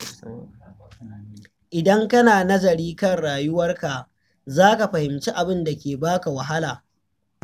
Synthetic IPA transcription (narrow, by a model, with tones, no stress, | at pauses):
ʔɪ˨dɐ˦ŋkɐ˦naː˨nɐ˦d͡ʒɐ˨ɾiː˦kɐ˦˨ŋɽaː˨jʊ˦wɐ˦rka˨ | zaː˦ka˨ɸɐ˨hɪ˨mt͡ʃiː˦ʔa˨bɪ˦nda˨kʲeː˨baː˦ka˨wɐ˨ɦa˦laː˨